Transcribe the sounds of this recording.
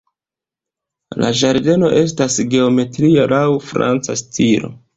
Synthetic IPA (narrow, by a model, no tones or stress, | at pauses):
la̰ʒaɾde̞no̞ʔe̞s̬tasɡe̞o̞me̞tɾialawfɾa̰nt͡sa̰stʰiɾo̞̰